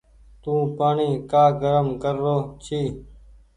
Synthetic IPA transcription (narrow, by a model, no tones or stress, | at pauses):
t̪ũːpaːɳiːkaːɡəɾəmkəɾːoːt͡ʃʰiː